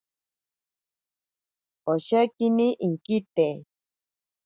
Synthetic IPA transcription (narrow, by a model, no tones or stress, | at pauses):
oʃakiniʔiŋkit̪e